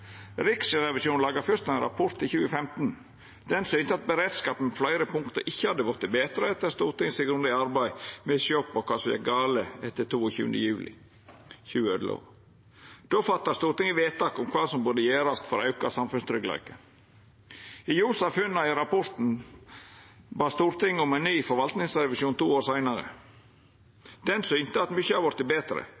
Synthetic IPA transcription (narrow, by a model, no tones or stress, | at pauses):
ɾɪksəɾɛʋɪsjuːnlɑːɡɑfœɾt̪æɪnɾɑ̰pʰɔɾt̪ɪçʉːəfɛmt̪n̩ | d̪̥ɛnsyːnt̪əɑt̪̚bəɾeːd̪skɑːpən̩ɔflæɪɾəpʰʊŋkt̪əɾʔɪçːəhɑd̪ːəʋʊɾt̪ːəbeːt̪ɾəɛt̪ːəɾst̪uːɾt̪ɪŋsɪɡɾʉnd̪ɪɑɾbæɪmɛsjɔpːɔkʰɑːsɔmjæ̰ɡɑːləɛt̪ːət̪ʰuːɔçʉ̰ːənd̪əjʉːlʔɪ̰ | çʉːəød̪əlo̰ː | d̪̥oːfɑt̪ːɑst̪uːɾt̪ɪŋəʋeːt̪ːɑːkʊmkʰʋɑːsɔmbʉd̪əjæːɾɑst̪fɔɾɑʉkɑsɑmfʉnst̪ɾʏklæ̰ɪkə | ɪjuːsɑfʉnːɑɪɾɑpʰɔɾt̪n̩ | bɑːst̪uːɾt̪ɪŋːʊmɛɪnnyːfɔɾʋɑlt̪nɪŋsɾɛʋɪsjuːnt̪ʰuːoːɾsæɪnɑɾə̰ | d̪̥ɛnsyːnt̪əɑt̪mʏçːəhɑɾʋɔɾt̪ːɪbeːt̪ɾə̰